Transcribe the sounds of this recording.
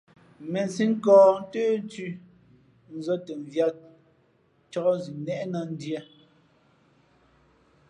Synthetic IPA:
me˨n˨si˦ŋ̩˦kɔ̃ː˨n̩˦teː˦n˦ti˦ | n̩˦˨zɔ˦te˨ɱ˨vja˦t̚ | t͡ʃɔ˦ɔ˦zi˨nɛ˦˨ʔna˨n̩˦djɛ˦

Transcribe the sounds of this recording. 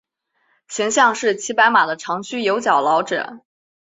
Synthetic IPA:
ɕʰɛ˧˥ŋɕjɑ˥˧ŋʂɻ̩˥˩t͡ɕʰi˧˥pa˧˥ɪma˨˩d̪ə˦ʈ͡ʂʰɑ˧˥ŋt͡ɕʰy˥jo˧˥ʊt͡ɕjɑ˨˩ʊlɑ˧˥ʊʈ͡ʂ̩˨˩˦

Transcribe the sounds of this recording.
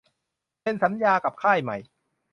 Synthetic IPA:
pe˧nsa˩˦njaː˧ka˨˩p̚kʰaː˥˩jma̰˨˩j

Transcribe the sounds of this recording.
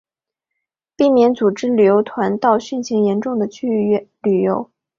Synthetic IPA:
pi˥˩mjɛ˧˥nt͡su˨˩ʈ͡ʂɻ̩˥ly˨˩jo˧˥ʊt̪ʰwa˧˥nt̪ɑ˥˧ʊɕy˥˩nɕi˧˥ŋjɛ˧˥nʈ͡ʂʊ˥˩ŋd̪ə˩t͡ɕʰy˥y˥˧ly˨˩jo˧˥ʊ

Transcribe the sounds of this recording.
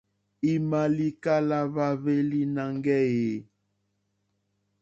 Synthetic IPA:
i˨ma˨li˦ka˦la˦βa˦βe˦li˦na˨ŋɡɛ˦je˨˦

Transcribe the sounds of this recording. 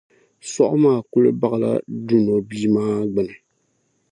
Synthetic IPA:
sɔ˦ʔʊ˦maː˦˨ku˦lɨ̰˦ba˦ɣɨ˨la̰˦du˦no˨biː˦maː˦ɡ͡bɛ˨nɨ˨

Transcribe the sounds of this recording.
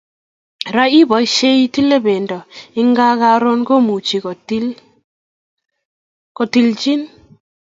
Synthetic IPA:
ɾa˦i˦bɔ˨i˦ʃe˦i˦ti˦le˦be˨ndɔ˨ɪ˦ŋɡa˦ka˦ɾo˦nɡo˦mu˨t͡ʃi˨ko˨ti˦ | ko˨ti˨lt͡ʃi˦n

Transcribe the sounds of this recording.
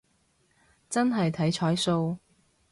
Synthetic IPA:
t͡sɐ˥nɦɐ˨jt̪ʰɐ˨˥jt͡ʃʰɔː˨˥jso˧w

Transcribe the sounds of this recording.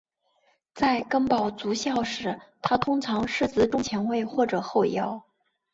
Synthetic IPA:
t͡sa˥˧ɪkɤ˥ŋpɑ˨˩ʊt͡su˧˥ɕjɑ˥˩ʊʂɻ̩˨˧˩t̪ʰa˥t̪ʰʊ˥ŋʈ͡ʂʰɑ˧˥ŋʂɻ̩˥˩t͡sɹ̩˧˥ʈ͡ʂʊ˥ŋt͡ɕʰjɛ˧˥nwe˥˧ɪxwɔ˥˩ʈ͡ʂɤ˨˩xo˥˩ʊjɑ˧˥ʊ

